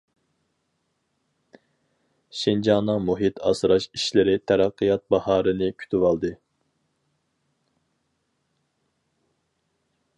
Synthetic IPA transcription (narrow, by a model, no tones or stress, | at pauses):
ʃind͡ʒɑnːɨŋmuɦit̪ʰɑ̰sɾɑʃiʃlɪɾɪt̪ʰɛɾɑqʰːɨjɑt̪̚bɑhɑːɾɨnɨkʲʰy̥t̪ʰywɑlˠd̪ɨ